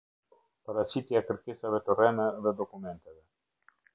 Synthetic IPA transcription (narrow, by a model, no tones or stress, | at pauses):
paɾasit̪iakəɾkesavet̪oɾɛnəvɛd̪okumɛnt̪evɛ